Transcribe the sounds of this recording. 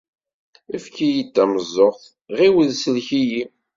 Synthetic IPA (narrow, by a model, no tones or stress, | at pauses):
əfkijit̪ːæməzˤːoʁθ | ʁiwəðsəlçiji